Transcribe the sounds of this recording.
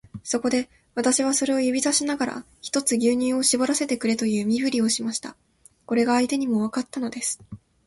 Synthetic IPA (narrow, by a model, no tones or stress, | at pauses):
so̞ko̞d̪e̞ | βat̪aɕiβ̞aso̞ɾe̞o̞jɯ̟bʲizaɕinaɡaɾa̰ | çi̥t̪o̞t͡sɨɡʲɨːɲ̟ĩɰ̃o̞ɕibo̞ɾase̞t̪e̞kɯ̟ɾe̞t̪o̞jɯ̟ːmʲibɯ̟ɾʲio̞ɕimaɕi̥t̪a | ko̞ɾe̞ɡaːit̪e̞ɲ̟imo̞β̞akat̪ːano̞d̪e̞sɨ̥